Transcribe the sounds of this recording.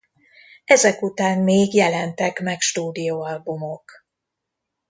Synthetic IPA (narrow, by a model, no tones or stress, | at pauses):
ɛzɛkut̪aːnmeːɡjɛlɛnt̪ɛkmɛkʃt̪uːd̪ijoːɒlbumok